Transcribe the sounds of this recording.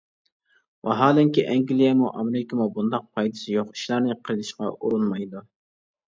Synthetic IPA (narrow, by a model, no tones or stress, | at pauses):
wʔɑɦɑːlˠɪŋkʲiʔɛŋɡʲilˠijɛmuʔɑmɪɾɪkʰʲimubund̪ɑq̚pʰɑjd̪ɨsɪjoχɪ̥ʃlˠɑɾnɪqʰəɾɨd̪ʰɪʃqɑ̰uɾunmɑjd̪u